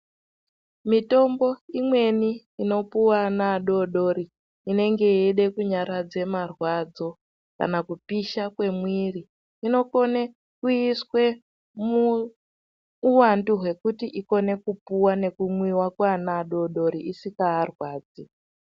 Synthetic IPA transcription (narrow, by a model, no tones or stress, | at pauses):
mito̞mbo̞imwe̞niː | no̞puwanaɗo̞ɗo̞ɾi | ine̞ŋɡe̞eɗe̞kuɲaɾad͡ze̞marwad͡zo̞ | ka̰nakupiʃakwe̞mwiriː | no̞ko̞ne | kuiswe̞ | mu | wanduɦwe̞kutiʔiko̞ne̞kupuwane̞kumwiwakwanaːɗo̞ɗo̞ɾiʔisikaːrwaːd͡zi